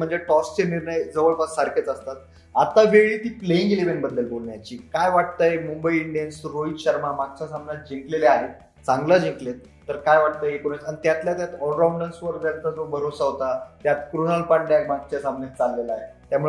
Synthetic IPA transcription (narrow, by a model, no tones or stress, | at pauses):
m̤əɳd͡zeʈɔst͡seniɾɳəjd͡zəʋəɭpasaɾket͡səst̪at̪̚ | at̪aʋeɭiːt̪iːpleĩŋɡelebenbəd̪ːəlbolɳjat͡ɕiːkajʋaʈ̚t̪ajemumbəiiɳɖijənsɾoit̪ɕəɾmamaɡ̚t͡ɕasamnjat̪̚d͡ʑiŋkleleaɦe | t͡sãŋɡləd͡ʑiŋklet̪̚ːəɾkajʋaʈ̚t̪əjekuɾet̪anit̪jat̪ljat̪jat̪ɔɾauɳɖənsʋəɾd͡ʑ̪jant̪ad͡zobʱəɾosaɦot̪at̪jat̪kɾonəlpaɳɖjaɡmaɡ̚t͡ɕjasamnjat̪t͡salːelaaɦet̪jamuɭe